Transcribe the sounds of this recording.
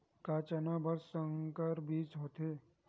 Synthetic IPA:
kaːt͡ʃɐnabʱɐɾsə̃ŋkəɾbiːt͡ʃɦoːt̪eː

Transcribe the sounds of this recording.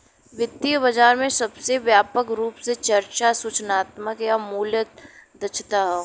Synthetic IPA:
ʋɪt̪ːiəbɐd͡ʒaːɾmẽsɐbseʋjaːpəkɾuːpset͡ʃɐɾt͡ʃasuːt͡ʃnaːt̪məkjamuːljət̪̚d̪ɐt͡ʃʰt̪aɦɛ

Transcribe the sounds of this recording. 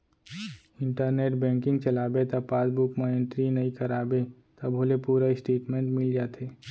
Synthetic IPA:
ɪ̃ɳʈəɾneːʈbɛ̃ːŋkɪ̃ŋɡt͡ʃɐlaːbet̪apaːd̪bukməẽnʈɾinɐĩkɐɾaːbe | t̪ɐbʱoːlepuːɾaɪsʈeːʈmẽːɳʈmɪld͡ʒaːt̪eː

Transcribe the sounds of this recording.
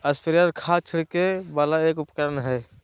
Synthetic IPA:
əspəɾjaːɾkʰaːt͡ʃʰɪɽkebaːlaeːkʊpkəɾənɦɛː

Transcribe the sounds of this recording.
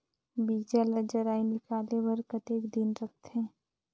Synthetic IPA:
biːd͡ʒaləd͡ʒəɾaːinɪkaːlewəɾkət̪eːkd̪ɪnɾɐk̚ʰt̪eɦɛ̃ː

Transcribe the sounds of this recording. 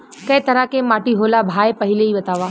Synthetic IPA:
kɐ̃ẽt̪ɐɾakẽmaːʈiɦoːlabʱaːepɐɦɪleiːʋɐt̪aːʋaː

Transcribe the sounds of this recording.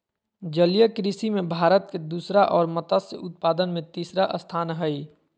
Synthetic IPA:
d͡ʒəljəkɾisimẽbʱaːɾət̪̚ked̪uːsɾaʔɔːɾmɐt̪asḛʔʊt̪̚paːd̪ənmẽt̪iːsɾaʔəst̪ʰaːnɦəi

